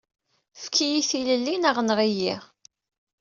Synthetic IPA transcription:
fkijiθiləlːinəʁnəʁijiʁ

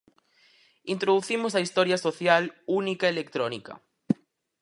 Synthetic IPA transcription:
int̪ɾoðuθimosɐist̪ɔɾjɐsoθjalunikaelekt̪ɾɔnikɐ̰

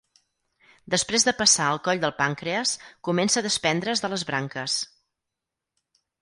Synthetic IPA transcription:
d̪əspɾezðəpəsaəlˠkɔʎd̪əlˠpaŋkɾeəskumɛnsəðəspɛnd̪ɾəzðələzβɾaŋkəs

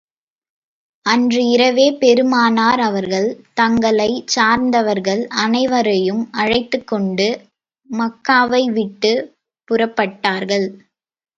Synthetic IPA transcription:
ɐndrɯɪɾɐʋeːpɛɾɯmaːnaːɾɐʋɐɾɣɐɭt̪ɐŋɡɐɭɐɪt͡ʃaːɾnd̪ɐʋɐɾɣɐɭɐnɐɪʋɐɾɐjɯmɐɻɐɪt̪ːɯkːɔɳɖɯ | mɐkːaːʋɐɪʋɪʈːɯ | pʊrɐpːɐʈːaːɾɣɐɭ

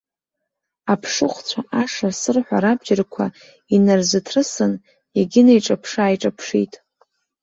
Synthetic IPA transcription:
apʰʂɨχʷt͡sʷʰaʔaʂasɨrħʷaɾab̚d͡ʒɪrkʷʰa | inarzɨtʰrɨsɨn | eɡʲɪnajʈ͡ʂʼapʰʂaːjʈ͡ʂʼapʰʂḭtʼ

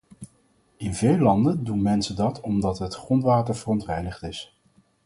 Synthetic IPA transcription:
ɪnvejlːɑndəndunmɛnsədɑtʰɔmdɑtɦətχrɔntʋaːtəɹvərɔntʋɛjdəχtɪs

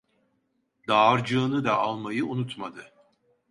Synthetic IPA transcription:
d̪̥aːɾd͡ʒɯːnɯd̪aalˠmajɯunut̪mad̪ɯ

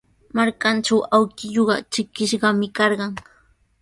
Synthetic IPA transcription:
maɾkant͡ʃawawkɪʎoɢɑ̰t͡ʃɪkɪʃɢɑmɪkɑɾɢɑŋ

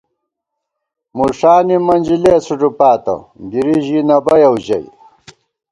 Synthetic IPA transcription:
muʂaːnimɐnʲd͡ʑilesuʈ͡ʂupaːt̪ɐ̰ɡiɾiʑinɐbɐjɐwʑɐ̰j

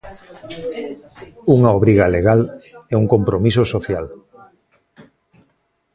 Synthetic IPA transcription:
uŋaoβɾiɣaleɣ̞alɛuŋkompɾomisosoθjal

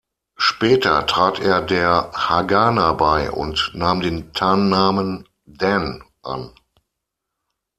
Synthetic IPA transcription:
ʃpɛːtɐ̰tʁ̥aːtḛːɐdeːɐhaɡaːnabaɪʔʊ̰ntnaːmdeːntʰaːnːaːmən | dɛn | ʔa̰n

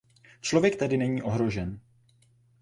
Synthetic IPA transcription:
t͡ʃlo̞vjɛk̚t̪adɪnɛɲiːʔo̞ɦɾo̞ʒɛn

